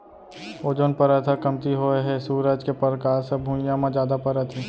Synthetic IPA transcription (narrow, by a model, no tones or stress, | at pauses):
oːd͡ʒonpɐɾət̪ʰakɐmt̪iɦoeɦɛsuːɾəd͡ʒkepəɾkaːɾsebʱũːjãmãd͡ʒjaːd̪apɐɾət̪ʰiː